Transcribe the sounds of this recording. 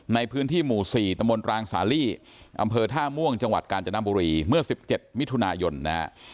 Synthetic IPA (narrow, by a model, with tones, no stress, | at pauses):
na˧jpʰɯː˦˥nt̪ʰiː˥˩muː˨˩siː˨˩t̪a˧mbo˧nɾaː˧ŋsaː˩˦liː˥˩ | ʔa˧mpʰɤː˧t̪ʰaː˥˩mu˥˩əŋt͡ɕa˧ŋwa˨˩t̪̚kaː˧nt͡ɕa˧na˦˥buː˧ɾiː˧mɯ˥˩ɐsi˨˩p̚t͡ɕe˨˩t̪̚mi˦˥t̪ʰu˧naː˧jo˧nːa̰˦˥